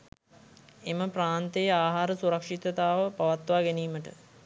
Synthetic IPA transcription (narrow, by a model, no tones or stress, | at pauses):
eməpraːnt̪ejəaːɦaːɾəsuɾɐkʂit̪ət̪aːʋəpaʋat̪ʋaːɡeniːməʈə̰